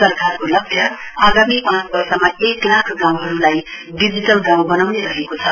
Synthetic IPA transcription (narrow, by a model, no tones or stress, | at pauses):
sʌrkaɾkolʌbʱjʌ | aɡamipãt͡sbʌrsʌmaeklakʰɡãw̃ɦʌɾulai | ɖid͡ziʈʌlɡãw̃bʌnawneɾʌɦekot͡sʰʌ